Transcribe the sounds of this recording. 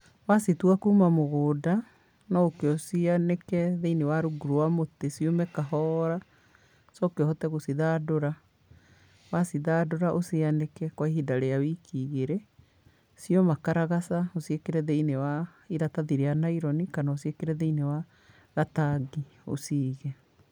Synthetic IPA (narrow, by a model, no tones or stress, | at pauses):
wasituakuːmamoɣoːda | nɔokeɔsianekɛðeinewaɾuɡuɾowamotesiomɛkaɦɔɾa | sɔkeɔhɔtɛɣosiðadoɾa | wasiðadoɾaʔosianekɛkwaiɦidaɾeawikiɣeɾɛ | siɔmakaɾaɣasaosiekeɾɛðeinewaiɾataðiɾeanaiɾɔnikanaosiekeɾɛðeinewa | ɣataɡio̰siːɣɛ